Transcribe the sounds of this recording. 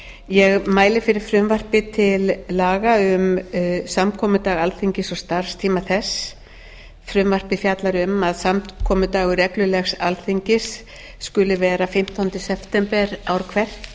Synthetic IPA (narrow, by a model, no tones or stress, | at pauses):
jɛɣmaːjlɪfɪɾɪɾ̥fɾʏmvar̥pɪt̪ʰɪlːaːɣaʏmsamkʰɔːmʏt̪aːɣalθiɲcɪsɔɣst̪aɾ̥st̪ʰiːmaθɛs | fɾʏmvar̥pɪfjat̪laɾʏmaðsamkʰɔːmʏt̪aːɣʏɾɛklʏlɛxsalθiɲcɪsː | kʏlɪvɛːɾafɪm̥t̪awnt̪ʏsɛpʰt̪ɛmpɛɾawɾkʰvɛr̥t̪